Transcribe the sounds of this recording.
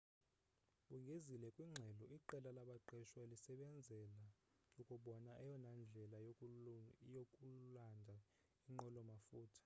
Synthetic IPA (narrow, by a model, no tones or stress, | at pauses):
ɓuŋɡʱezilɛkʼwiŋ͡ǁʱɛlɔiǃɛlalaɓaǃɛʃwalisɛɓɛnd͡zʱɛla | ukʼuɓɔnaʔɛjɔnand͡ɮʱɛlajo | jokʼulandʱa | iŋ͡ǃɔlɔmafuːtʰḁ